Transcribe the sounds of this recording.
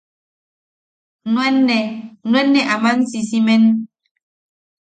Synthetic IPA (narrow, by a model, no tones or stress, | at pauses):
nwɛnːɛnwɛnːɛʔamansisimɛn